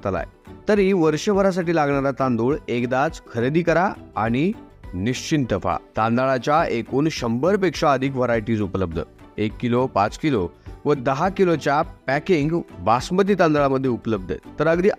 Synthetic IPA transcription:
t̪əla̰jt̪əɾiʋəɾɕəʋəɾas̬aʈiːlaɡɳaɾat̪ãnd̪uːɭekd̪at͡skʰəɾed̪iːkəɾaa̰ɽ̃i | niɕt͡ɕint̪əfa̰t̪ãnd̪aɭat͡ɕjaʔekuːnɕəmbəɾpekʂaəd̪ʱikʋəɾajʈiːd͡zupləb̚d̪ʱə̰ | ekːilopat͡skiloʋəd̪əɦakilot͡ɕjapækiŋɡbasmət̪̬iːt̪ãnd̪aɭaməd̪ʱːjeupələb̚d̪ʱə̰t̪əɾəɡd̪iː

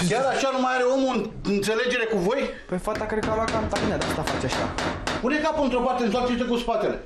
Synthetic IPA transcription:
kʲaɾaʃanumajaɾe̞o̞muɨn | ɨnt̪se̞le̞d͡ʒe̞ɾe̞kuvo̞j | pefat̪akɾekalakant̪aminad̪ast̪afat͡ʃeaʃa̰pune̞kapuunt̪ɾo̞part̪eɨnsaiʃt̪ekuspat̪e̞le̞

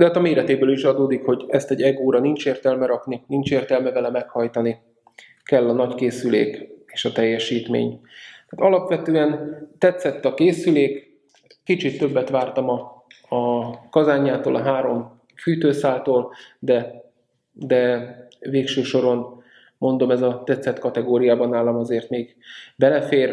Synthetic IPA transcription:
d̪ɛɦaːt̪ɒmeːɾɛt̪eːbøːliʃɒd̪oːd̪ikho̞ɟɛst̪ɛɟːɛɡoːɾɒnint͡ʃeːrt̪ɛlmɛɾɒkninint͡ʃeːrt̪ɛlmɛvɛlɛmɛkhɒjt̪ɒni | kɛlːɒnɒckeːsylḛːke̥ːʃɒt̪ɛjːɛʃiːt̪mḛːɲt̪aːt̪ɒlɒpʋɛt̪øːɛnt̪ɛt̪sɛt̪ːɒkeːsyleːk | kit͡ʃit̪ːø̞bːɛt̪ʋaːrt̪ɒmɒ | ɒkɒzaːɲːaːt̪o̰ːlʔɒɦaːɾo̞m | fyːt̪øːsaːlt̪oːld̪ɛ | d̪ɛveːkʃøːʃo̞ɾo̞n | mo̞nd̪o̞mɛzɒt̪ɛt̪sɛt̪kɒt̪ɛɡoːɾijaːbɒnaːlɒmɒzeːrt̪meːɡ | bɛlɛfeːr

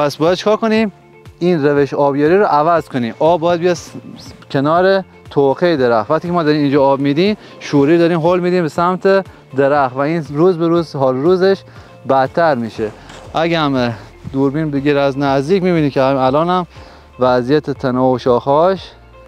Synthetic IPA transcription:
pʰæsbɒːjæd̪̚t͡ʃʰe̥kɒːɾkoni | iːnɾeveʃɒːbjeːɾiːɾoʔævæzkʰoniːmʔɒːbːɒːjæd̪bejɛ | kʰenɒːɾe | t̪ʰoqʰejd̪eɾæxt̪væxt̪iːcʰemɒːd̪ɒːɾimiːnd͡ʒɒːbmiːd̪iːm | ʃuːɾiːd̪ɒːɾiːmɦolmiːd̪iːmbesæmt̪ʰe | d̪eɾæxvæiːnɾuːzbeɾuːzɦɒːlɾuːzeʃ | bæd̪t̪ʰːæɾmiːʃeʔæɡæm | d̪uɾbiːnbeɡiɾæznæzd̪iːkmiːbiːnikʰʲeælɒːnæm | væzijæt̪ʰet̪ʰænɒːoʃɒːxɒːʃ

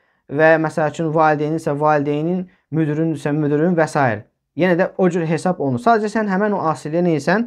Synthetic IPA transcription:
væmæsælæt͡ʃʰynvɑːlid̪ejninsævɑːlid̪ejinin | myd̪ɾynd̪ysænmyd̪yɾyynvæsɑːjḭɾ | jenæd̪æod͡ʒyɾɦe̞sɑbo̞lˠnuɾsɑːd̪æd͡ʒæsænɦæmænoʔɑːsilijænejisæn

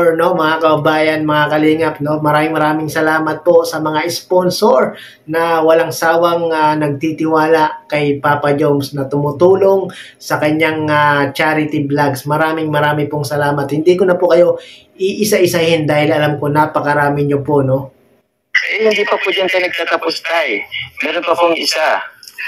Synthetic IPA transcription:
ɹno̞mɐŋakɐbɐbaːjɐnmɐŋakɐliːŋɐp̚no̞mɐɾaːmɪŋmɐɾaːmɪŋsɐlaːmɐt̪̚po̞sɐmɐŋaʔɪsponsoɹ | nɐwɐlaŋsaːwɐŋanɐɡ̚t̪it̪ɪwaːlakɐjpaːpɐd͡ʒomsnɐt̪ʊmʊt̪uːlo̞ŋ | sɐkɐɲaŋat͡ʃaːɾɪt̪ɪblaɡsmɐɾaːmɪŋmɐɾaːmɪpoŋsɐlaːmɐt̪̚hɪnd̪iːkonɐpokɐjo̞ | ʔɪʔɪsaʔɪsahɪnd̪aːhɪlɐlamko̞napɐkɐɾaːmɪɲopoʔno̞ | ɐjhɪnd̪iːpɐpod͡ʒantk̪ɐjnɐɡ̚t̪at̪ɐpost̪ajmɛːɾonpɐpoŋʔɪsa

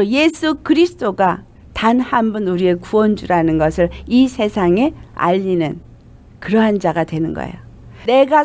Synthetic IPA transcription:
oje̞sʰukɯɾisʰɯ̥t͈oɡa | tanhanbunuɾie̞kuʌnd͡ʑuɾanɯnɡʌsʰɯɭisʰe̞sʰaŋe̞a̰ʎːinɯn | kɯɾʌɦand͡ʑaɡadwe̞nɯnɡʌ̰ḛjone̞ɡa

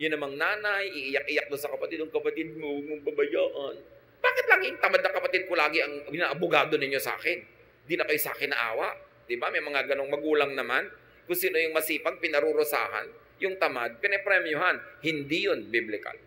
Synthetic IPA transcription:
jʊnːɐmaŋnaːnajʔɪʔɪjak̚ʔɪjak̚d̪osɐkɐpɐt̪ɪd̪ʊŋkɐpɐt̪ɪd̪̚momʊŋbɐbɐjaːʔɐn | b̥aːkɪt̪laŋʊŋt̪ɐmad̪̚nɐkɐpɐt̪ɪd̪̚kolaːɡɪɐŋɪnaʔɐbʊɡaːd̪o̞nɪɲːosa̰ːkɪn | d̪ɪnɐkɐjosa̰ːkɪnːɐʔa̰ːwɐʔ | d̪̥ɪbamɐjmɐŋaɡɐno̞ŋmɐɡuːlaŋnɐman | kʊŋsiːno̞jʊŋmɐsiːpɐɡ̚pɪnɐɾuɾʊsa̰ːha̰n | jʊŋt̪ɐmad̪̚pɪnɛpɾɛmjʊɦanhɪnd̪ijonbiblɪka̰l

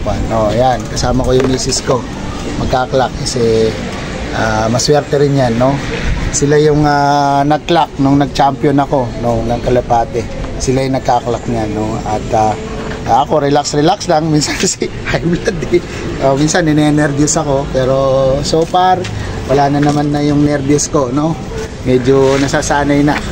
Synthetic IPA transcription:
wanʔojankɐsaːmɐko̞jʊŋmiːsɪsko̞ | mɐɡ̚kaːklakːɐsɛ | ʔaːmɐswɛɾt̪ɛɾɪnɲanːo̞sɪlajʊŋanɐklak̚nʊŋnɐɡ̚t͡ʃampjonɐko̞noŋnɐŋkɐlɐpaːt̪ɛ | sɪlajnɐɡ̚kaklak̚ɲanːo̞ɐt̪a | ʔaʔɐko̞ɾɛlaksɾɛlakslaŋminsansɪhɐjblad̪ɪ | ʔominsɐnːɪnɛnɛɾbjosɐko̞pɛːɾo̞soːpɛɾwɐlaːnɐnɐmanːɐjʊŋnɛɾbjosko̞no̞ | mɛːd͡ʒonɐsaːsaːnɐjnɐ

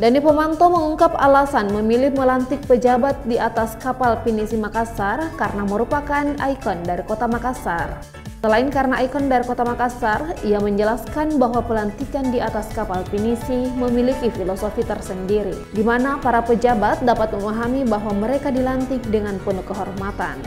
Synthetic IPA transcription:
danipəmant̪oməŋuŋkapalasanməmilɪhməlant̪ɪk̚pəd͡ʒabat̪̚diat̪askapalpinisimakasarkarənaməɾupakana̰ikɔndaɾikot̪amakasar | səlaɪnkaɾənaʔajkɔndaɾikot̪amakasariaməɲd͡ʒəlaskanbaɦwapəlant̪ikandiat̪askapalfinisiməmilikifilosofit̪ərsəndiɾi | dimanapaɾapəd͡ʒabat̪̚dapat̪̚məmaɦamibaɦwaməɾekadilant̪ɪk̚dəŋanpɔnukəɦɔrmat̪a̰n

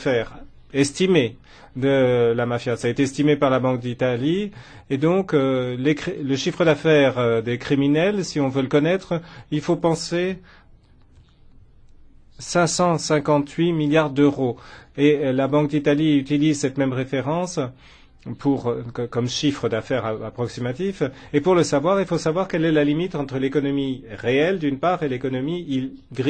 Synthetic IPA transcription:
fɛʁ | ɛst̪ime | d̪əlamafjasaːet̪eɛst̪imepaʁlabɑ̃k̚d̪it̪ali | ed̪ɔ̃klekχiləʃifχəd̪afɛʁd̪ekχiminɛlsiɔ̃vøləkɔnɛt̪χilfopɑ̃se | sɛ̃sɑ̃sɛ̃kɑ̃t̪ʰɥimiljaʁd̪øʁoelabɑ̃k̚d̪it̪aliyt̪ilizsɛt̪mɛmʁefeʁɑ̃s | pʰuʁkɔmʃifχəd̪afɛʁaapχɔksimat̪if | epuʁləsavwaʁilfosavwaʁkɛlɛlalimit̪ɑ̃t̪χəlekɔnɔmiʁeɛld̪ynpaʁelekɔnɔmiilɡʁi

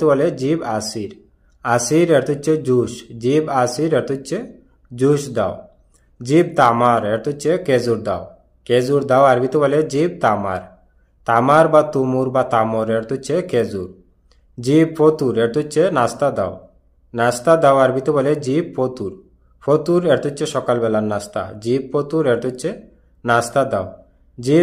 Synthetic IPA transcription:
t̪ubɔled͡ʒibasiɾ | asiɾeɾt̪ut͡ʃʰed͡ʒuʃd͡ʒibasiɾeɾt̪ut͡ʃʰe | d͡ʒuʃd̪a̰w | d͡ʒib̚t̪amaɾeɾt̪ut͡ʃʰeked͡zuɾd̪a̰w | ked͡zuɾd̪awaɾbit̪ubɔled͡ʒib̚t̪ama̰ɾ | t̪amaɾbat̪umuɾbat̪amɔɾeɾt̪ut͡ʃʰeked͡zuɾ | d͡ʒibpʰot̪uɾeɾt̪ut͡ʃenast̪ad̪a̰w | nast̪ad̪awaɾbit̪ɔbɔled͡ʒib̚pot̪uɾ | pʰot̪uɾeɾt̪ut͡ʃʰeʃɔkalbɛlanːast̪a̰d͡ʒib̚pot̪uɾeɾt̪ut͡ʃʰe | nast̪ad̪a̰w | d͡ʒi

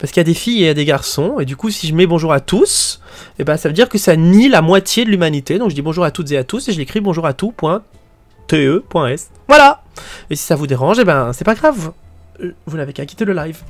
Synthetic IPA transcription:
paʁsəkiljad̪efijead̪eɡaʁsɔ̃ed̪ykusiʒəmɛbɔ̃ʒuʁat̪us | ebɛ̃savød̪iʁkəsanilamwat̪jed̪əlymanit̪ed̪ɔ̃kʒəd̪ibɔ̃ʒuʁat̪ut̪zeat̪useʒəlekχibɔ̃ʒuʁat̪upwɛ̃ | t̪eøpwɛ̃ɛs | vwala | esi̥savud̪eʁɑ̃ʒebɛ̃sɛpaɡʁav | vunavekɛ̃kʲi̥t̪eləlajv

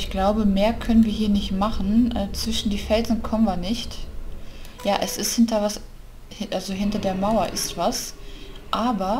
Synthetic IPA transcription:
ʔɪçɡ̥laʊbəmeːɐkʰœnənviːɐɦiːɐnɪçtmaχn̩ʔɛːt͡sv̥ɪʃn̩diːfɛlzn̩kʰɔmənviːɐnɪçt | jaːʔɛsɪsthɪntɐvas | hʔalzoɦɪntɐdeːɐmaʊɐʔɪstv̥asʔaːbɐ

